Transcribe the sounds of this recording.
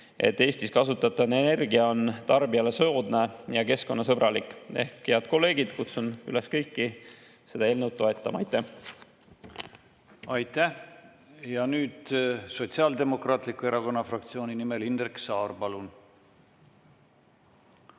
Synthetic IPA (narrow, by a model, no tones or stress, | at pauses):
ʔe̞̰t̪ːe̞ːsʲt̪iskɑsut̪ːˑɑt̪ːˑɑne̞ne̞rɡiɑo̞nt̪ɑrbiɑle̞so̞d̪̥ne̞jɑke̞sko̞nːɑs̬ɤb̥ɾɑlikːˑe̞hkhe̞ɑd̪̚ko̞lːe̞ːɡ̥id̪̥kut̪sunyle̞skɤjkːi | se̞d̪ɑe̞ːlnəwt̪̚ːo̞e̞t̪ːˑɑmɑɑjt̪ːˑæh | ɑjt̪æh | jɑnyːd̪̥so̞t̪siɑːld̪e̞mo̞krɑːt̪likːˑue̞ɾɑɡo̞nːɑfrɑk̚t̪sio̞ːnʲinimelind̪rksɑːrpɑlun